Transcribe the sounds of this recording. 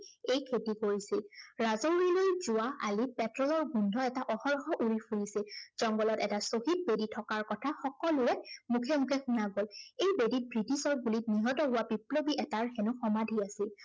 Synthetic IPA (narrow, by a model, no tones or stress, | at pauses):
ejkʰetikoɹisilɹazɔɹilojzʊwaʔa̰lipɛtɹɔlɔɹɡundʱɔɛtaʔɔxɔɹɔxɔʔuɹipʰuɹisiz̥ɔŋɡɔlɔtɛtasoxit̚beditʰɔkaɹkɔtʰaxɔkɔlʊɹɛmukʰɛmukʰɛxunaɡɔlejbedit̚bɹitisɔɹbulitniɦɔtɔɦʊwabiplobiʔɛtaɹxenʊxɔmadʱiasil